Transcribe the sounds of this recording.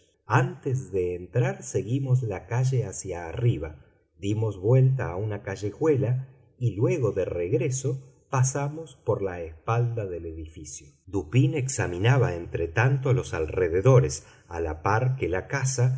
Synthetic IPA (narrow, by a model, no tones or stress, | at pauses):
ant̪ezðeːnt̪ɾaɾse̞ɣimo̞s̬lakaʒe̞asjaːriβ̞a | ðimo̞zβwe̞lt̪̬aːunakaʒexwe̞la | ilwe̞ɣo̞ðe̞reɣɾe̞so̞ | pasamo̞spo̞ɾlaespald̪aðe̞le̞ðifisjod̪upine̞ksamĩnaβaent̪ɾet̪ant̪olo̞salreðe̞ðo̞ɾes | a̰la̰paɾkelakasa